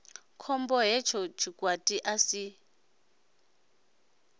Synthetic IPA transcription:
kʰɔmbɔɦɛt͡ʃʰɔt͡ʃʰikwatʼiʔasi

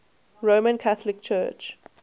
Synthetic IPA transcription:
ɹomə̃nkʰaθəlɪk̚t͡ʃʰɜːt͡ʃ

